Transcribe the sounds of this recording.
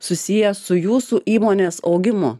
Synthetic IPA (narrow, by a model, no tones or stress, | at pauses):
sʊsʲijɛsʊjuːsuʔiːmoːnʲeːsɒʊɡʲɪmʊ̰